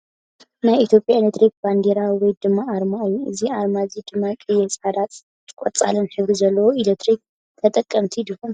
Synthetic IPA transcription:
najit̪ʰjo̞pʼjaelet̪ɾik̚band̪eɾawiwɔjd̪ɨmːaːɾmaɨjːuɨziaɾmazid̪ɨmːakʼɨjːɛsʼad̪at̪ | kʷʼɔt͡sʼa̰lɨnħɨβɾizɐlːɐwoilet̪ʰɾik̚ | t̪ʰɐt̪ʼɐkʼːɐmt̪ʰid̪ɨkom

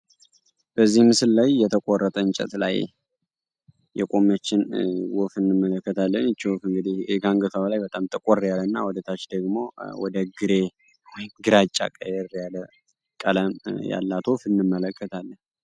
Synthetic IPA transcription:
b̥əzːihmɨsɨllajːɛt̪ʰəkʼorːət̪ʼəɨnt͡ʃʼɛ̰t̪la̰j | jɛkʼomət͡ʃːɪnwofɨnːɨmːələkːət̪ʰalːənɨt͡ʃːwofɨŋɡɨd̪ihɡaŋɡət̪ʰaβlajbət̪ʼamt̪ʰʼəkʼoɾːjalːənːa̰wɔd̪ət̪ʰat͡ʃd̪əɡmo̞̰wɔd̪əɡɨɾe | wɔjɪmɡɨɾat͡ʃʼːa̰kʼəjɛɾjalə | kʼələmja̰lːat̪ʰwofɨnːɨmːələkʰːət̪ʰalːən

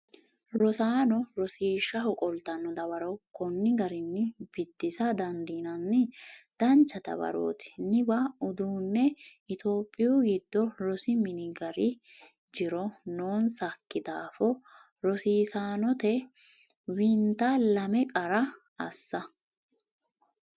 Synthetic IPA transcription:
ɾɔsaːnɔɾɔsiːʃːɐɦɔkʼɔlt̪ɐnːɔd̪ɐβɐɾɔwkɔnːɪɡɐɾɪnːɪbɪd̪ːɪsɐd̪ɐnd̪iːnɐnːɪd̪̥ɐnt͡ʃːɐt̪ɐ̰bɐ̰ɾo̰ːt̪ɪ̥nɪbɐʊd̪uːnːɛɪt̪oːpʼːɪjuɡɪd̪ːɔlɔsɪmɪnɪɡɐɾɪ | d͡ʒɪɾɔnoːnsɐkːɪd̪aːfɔ | ɾɔsiːsaːnɔt̪ɛ | wɪnt̪alɐmɛkʼɐɾɐ | ɐsːɐ

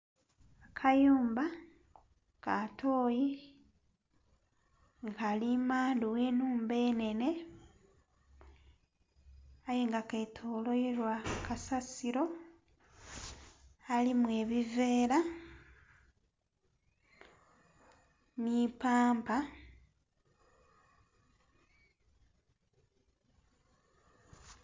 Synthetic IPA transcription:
akʰajuːmba | katʰo̞ːji | ŋkalimaːnduweːnuːmbe̞ːne̞ne̞ | ajeŋɡaketʰoːlo̞iɾwakasasiɾo̞ | alimwe̞ːβive̞ːɾa | nipaːmpa

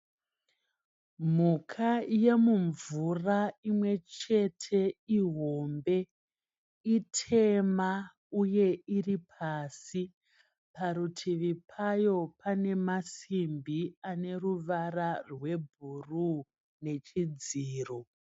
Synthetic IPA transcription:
m̤ukʰaje̞muɱvuraimwe̞t͡ʃe̞tʰe̞iɦo̞mbe̞ | itʰe̞ma | uje̞iripʰasi | paɾutʰiʋipʰajo̞pʰane̞masimbiane̞ruʋararwe̞bʱuru | ne̞t͡ʃid͡ziːro

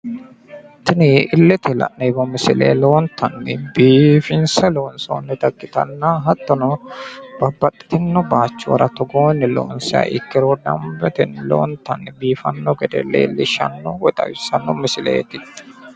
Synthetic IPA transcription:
t̪ɪnɪʔɪlːɛt̪ʰɛlɐ̰nːɛbɐmɪsɪlḛːloːnt̪ʰɐnːɪbiːfɪnsɐloːnso̰ːnːɛt̪ɐkːɪt̪ɐ̰nːaɦɐt̪ːɔnɔb̥ɐbːɐt̪ʼːɪ̥t̪ɪnːɔbaːt͡ʃːʊwɐ̰ɾɐt̪ːɔɡoːnːɪlo̰ːnsɛɐ̰ʔɪkːɪɾod̪ɐ̰mbɛt̪ɪnːlo̰ːnt̪ːɐnːɪbiːfɐnːɔɡɛd̪ɛ̰lːḛːlːɪʃɐ̰nːɔwɔt̪ʼɐ̰wɪsɐnːɔmɪsɪlḛːt̪ɪt̪ː

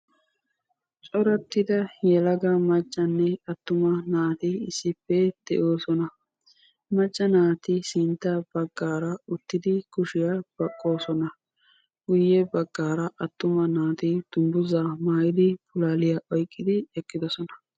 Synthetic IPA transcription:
t͡ʃʼɔɾɐt̪ːɪd̪ɐjɛlɐɡɐmɐt͡ʃʼːɐnːɛɐt̪ːʊmɐnaːt̪ɪɪsːɪpːɛd̪̥ɛ̰ʔo̞ːsɔnɐ | mɐt͡ʃʼːɐnaːt̪ɪsɪnt̪ːɐb̥ɐɡːaːɾɐʊt̪ːɪd̪ɪkʊʃɪjab̥ɐkʼːo̞ːsɔnɐ | ɡ̥ʊjːɛbɐɡːaːɾɐʔɐt̪ːʊmɐnaːt̪ɪd̪̥ʊmbʊzaːmaːjɪd̪ɪpʊlaːlɪjaʔɔjkʼːɪd̪ɪɛkːɪd̪ɔsɔnɐ̥

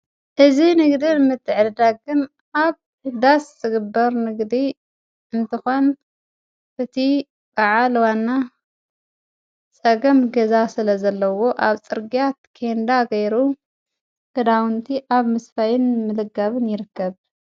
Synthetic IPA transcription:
ʔɨzinɨɡd̪inmɨt̪ʰːɨʕlɨd̪aɡɨn | ʔaβ | ɨd̪aszɨɡɨbːɐɾnɨɡd̪i | ʔɨnt̪ʰɨxon | ʔɨt̪ʰi | baʕalwanːa | t͡sʼɐɡɐmɡɐzasɨlɐzɐlːɐwo̞ʔaβt͡sʼɨɾɡijat̪̚kʰend̪aɡɐjɾu | ɡ̥ɐd̪awʊnt̪ʰiʔaβmɨsfajɪnmɨlɨɡɐβɨnjɪɾɨkːɐβ

